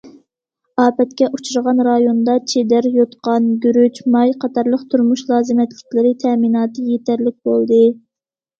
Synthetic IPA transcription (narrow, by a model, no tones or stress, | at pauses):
ɑːpɛt̪kʲɛʔut͡ʃʰuɾʁɑnɾɑjond̪ɑt͡ʃʰed̪æɾjot̪qɑnɡʲyɾyt͡ʃmɑjqʰɑt̪ʰɑɾlˠəqt̪ʰuɾmuʃlˠɑːzɨmɛt̪lɪk̚ʲlɪɾɪt̪ʰɛminɑːt̪ʰɨjet̪ʰæɾlɪk̚ʲbolˠd̪ɨ